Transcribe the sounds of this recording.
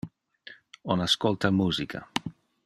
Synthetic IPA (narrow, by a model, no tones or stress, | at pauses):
onaskolˠt̪amuzika̰